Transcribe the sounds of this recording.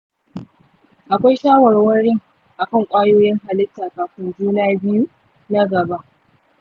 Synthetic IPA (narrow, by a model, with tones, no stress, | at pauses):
ʔa˨kʷa˦jʃaː˦wɐ˨ɾwɐ˦ɽɪ˦ŋ | ʔa˨kɐ˦˨ŋkʷʼaː˦joː˦jɪ˦ŋɦa˨lɪ˦tːaː˨kaː˨ɸɪ˦nd͡ʒuː˦naː˦bɪ˦ju˦ | na˦ɡɐ˨ba˦ʔ